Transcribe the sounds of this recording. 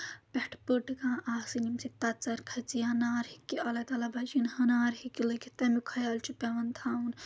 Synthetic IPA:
pʲeʈʰpɨʈkãːʔaːsinʲimsit̪ɐt͡sɐɾkʰɐt͡sijanaːɾhikːiɐlɐt̪ɐlɐbɐd͡ʒinhɐnaːɾhikːilɨkʰʲit̪ɐmukʰɐjɐlʲt͡ʃʰupʲɐʋɐnt̪ʰaːun

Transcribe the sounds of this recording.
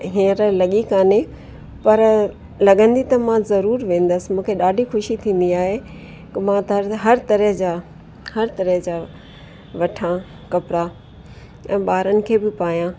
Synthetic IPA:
ɦiəɾlɐɠikaːne | pɐɾ | lɐɠə̃nd̪it̪ɐmãzɐɾuːɾʋẽːn̆d̪əsɪ̆mũːkʰeɗaːɖʱixʊʃit̪ʰĩːn̆d̪iaːɦe | kɪmãt̪ɐɾɦɐɾt̪ɐɾəɦd͡ʑaː | hɐɾt̪ɐɾəɦd͡ʑaː | ʋɐʈʰã | kɐpɾa | ɛ̃ːɓaːɾənɪ̆kʰeːbɪpaːijãː

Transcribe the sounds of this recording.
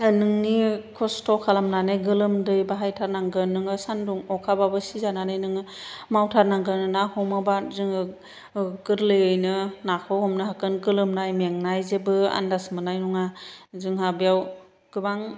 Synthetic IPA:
nɯŋnikʰɔstʰɔkʰalamnanɯjɡɯlɯmdɯjbaɦajtʰaɾnaŋɡɯnɯŋɯsanduŋɔkʰababɯsizananɯjnɯŋɯmawtʰaɾnaŋɡɯnɯnahɔmɯbazɯŋɯ | ɡɯɾlɯjɯjnɯnakʰɔhɔmnɯɦakɯnɡɯlɯmnajmaŋnajzebɯa̰ndasmɯnajnuŋazɯŋɦabijaw | ɡ̥ɯbaŋ

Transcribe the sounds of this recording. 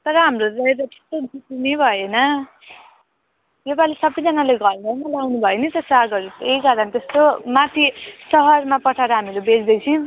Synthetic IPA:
t̪ʌɾʌɦamroɾʌeɾʌt̪e̥st̪od̪itinebʱʌjenʌ | jebalesʌbːʌjd͡zʌnaleɡʱʌrlanalawnubʱʌjenit̪ʌsaɡʌɾeejkaɾʌnt̪est̪omat̪ʰisʌɦʌrmapʌʈʰaɾʌɦamilebed͡zd̪ʌjt͡sʰĩ

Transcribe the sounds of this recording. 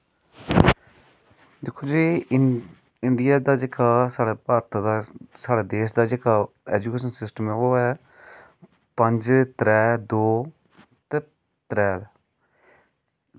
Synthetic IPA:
d̪ɪkʰːoːd͡ʒiː | ɪɳɖijaːd̪aːd͡ʒeːkʰaːsaːɽaːpaːɾt̪d̪asaːɽaːd̪eːʃd̪aːd͡ʒeːkʰaː | ɛːd͡ʒuːkeːʃənsɪsʈəmɛoːɛ | pəɲd͡ʒt̪ɾɛːd̪oː | t̪ɛ | t̪ɾɛːd̪aː

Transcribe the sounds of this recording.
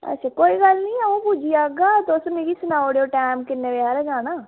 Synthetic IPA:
ə̰tːʃʰaːkoːiːɡəlnĩːaũːpud͡ʒiːaːɡaːt̪oʊsmeːɡiːsʊnaːoɽeoːʈɛːmkɪnːeːʋeaːɾɛd͡ʒaːnaː

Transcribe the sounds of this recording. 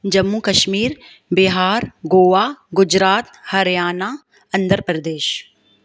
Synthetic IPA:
d͡ʒɐmːuːkɐʃmiːɾ | bɪɦaːɾɡoːʋaːɡʊd͡ʒɾaːt̪hɐɾjaːnaː | ɐ̃nd̪əɾpɾɐd̪eːʃ

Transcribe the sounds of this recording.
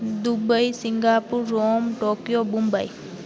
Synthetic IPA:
d̪ubəjsiŋɡapuɾːomʈokjobũmbəj

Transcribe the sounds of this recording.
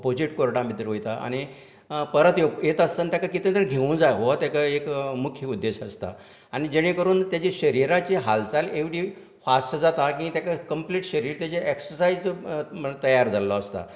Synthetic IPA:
opod͡ʑiʈkoɾɽãbʱit̪ɾɦojt̪aʔa̰ɽ̃i | pəɾət̪joɡjet̪ast̪ant̪jakakit̪ẽt̪əɾɡʱeʋũd͡zajɦoʋat̪jakaekmukʰiud̪ːeɕəst̪a̰ | aɽ̃id͡ʑeɽ̃ẽkəɾuːnt̪jat͡ɕeɕəɾiɾat͡ɕeɦalt͡saleʋɽiː | fasʈd͡zat̪akĩt̪jakakəmpliʈɕəɾiːɾt̪jat͡ɕeʔeksəɾsaid͡z | t̪əjaɾd͡zalɔːst̪a̰

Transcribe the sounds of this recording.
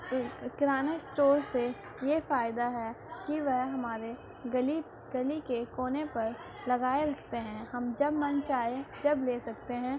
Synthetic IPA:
kɪɾaːnasʈoːɾse | jefaːɪd̪aɦɛ | kiʋɛɦɦɐmaːɾe | ɡɐli | ɡɐlikekoːnepɐɾ | lɐɡaːeɾɐkʰt̪eɦɛ̃hɐmd͡ʒɐbmɐ̃nt͡ʃaːed͡ʒɐbleːsɐkt̪eɦɛ̃ː

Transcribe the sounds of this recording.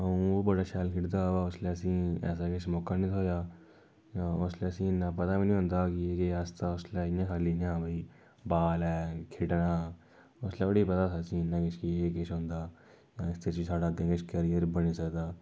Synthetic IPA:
əũːobəɽaːʃɛːlkʰɪʈd̪aːaːʊsleːəsĩːɛ̰ːs̬aːkɪt͡ʃʰmoːkaniːt̪ʰoːjaː | jãːʊsleːəsĩːnːãːpət̪aːbiːnĩːɦʊ̃nd̪aːkɪeːkiaːst̪aʊsleːjãːkʰaːlinãːbəiː | baːlɛːkʰɪʈnaː | ʊsleːbəɽiːpət̪aːtasĩːnːãːkɪt͡ʃʰkieːkɪt͡ʃʰɦʊ̃nd̪aː | jãːɪst̪et͡ʃiːsaːɽaːɡẽːkɪt͡ʃʰkəɾijəɾbəniːsəkd̪aː

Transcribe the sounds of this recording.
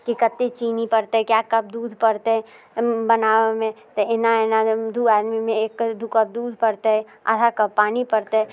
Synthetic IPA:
kikɐt̪ːet͡ʃiːnipɐɾt̪eɦɛ̃kjaːkɐb̚d̪uːd̪ʱpɐɾt̪eɦɛ̃ | bɐnaːemẽ | t̪oɪnaenad̪ʱuaːd̪mimẽeːkːd̪ʱukəb̚d̪uːd̪ʱpɐɾt̪eɦɛ | ɐ̰t̪ʰakɐb̚pːaːnipɐɾt̪eɦɛ

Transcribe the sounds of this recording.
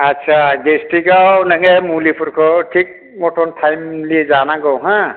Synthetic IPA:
atːsʰaɡesʈiɡawnaŋemulipʰuɾkʰɔʈʰik̚ | mɔʈʰɔntʰajmliezanaɡɔwɦã

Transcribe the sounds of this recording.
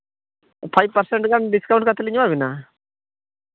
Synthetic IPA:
pʰajb̚pəɾsɛɳʈɡanɖiskawɳʈ̚kat̪ʰɛliɲwabina

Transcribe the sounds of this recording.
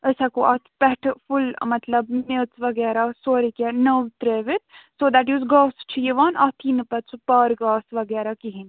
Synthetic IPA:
əsakoʔat̪ʰpɛɦʈʰfulmɐt̪lɐbmet͡sʋɐɡɛːɾasoːɾikʲɛnəʋt̪ɾeːʋit̪ʰsoːd̪æʈjuːzɡaːst͡ʃʰijeʋaːnat̪ʰinɨpɐt͡sʰupaːɾɡaːsʋɐɡɛːɾakiɦin

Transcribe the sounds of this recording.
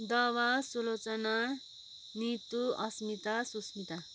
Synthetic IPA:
d̪ʌwasulot͡sʌna | nit̪uʌsmit̪asusmit̪a

